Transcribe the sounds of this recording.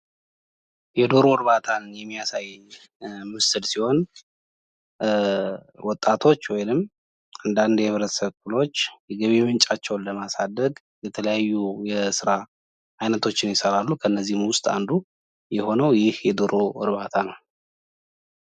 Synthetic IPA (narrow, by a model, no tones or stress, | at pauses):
jɛd̪o̞ɾo̞ɨɾβat̪ʰanjɛmːijasajːɪɲ | mɨsɨlsiho̞n | wɔt̪ʼːat̪ʰo̞t͡ʃːwɔjnɨm | and̪and̪jɛβɾətsəβkɨlo̞t͡ʃːjɛɡəβemɨnt͡ʃʼat͡ʃːɛwnləmasad̪ːəɡ | jɛt̪ʰələjajːujɛsɨɾa | ʔajnət̪ʰo̞t͡ʃːɪnjɪsəɾalːukʰəɨnːəzːihmwʊst̪ʼa̰nd̪u | jɛho̞nəwjɪhjɛd̪o̞ɾo̞ɨ̰ɾβat̪ʰanəw